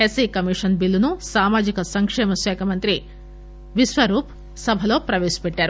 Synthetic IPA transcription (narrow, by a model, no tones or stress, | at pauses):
esiːkɐmiʂɐnbilːunusaːmaːd͡ʒikɐsɐŋkʂɛːmɐsʋɛːkʰɐmɐnt̪ɾi | ʋiʃʋɐɾuːp | sɐbʱɐlo̞ːpɾɐʋeːʃi̥peʈːaːɾu